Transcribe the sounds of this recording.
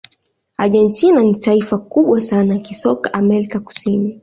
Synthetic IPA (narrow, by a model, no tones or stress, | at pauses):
a̰ʄɛntinanitaifakuɓwasanajakisɔkaʔamɛɾikaku̥sini